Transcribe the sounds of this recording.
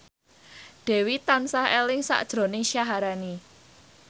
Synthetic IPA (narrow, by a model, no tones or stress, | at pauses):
ɖ̥ɛ̤wit̪ansahelɪŋsa̰ʔd̥ʒ̥ɾo̤nɪŋʃjaɦaɾani